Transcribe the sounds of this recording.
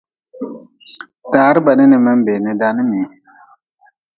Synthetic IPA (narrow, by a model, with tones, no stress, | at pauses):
taː˨˦ɾi˦ba˨ni˦nɨ˨mə˦mbe˨ni˦da˨ni˦mi˨